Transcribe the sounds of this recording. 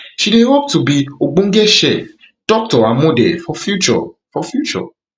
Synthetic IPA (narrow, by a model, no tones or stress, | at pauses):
ʃidewɔb̚tubioɡ͡bõŋ̩ɡɛʃɛ | d̥ɔk̚tɔamõdɛ̰fɔfjut͡ʃɔ̰fɔfjut͡ʃɔ̰